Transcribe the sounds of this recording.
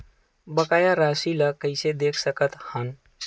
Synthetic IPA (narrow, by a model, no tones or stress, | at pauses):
bəkajaɾasiləkəɪsed̪ekʰsəkət̪hən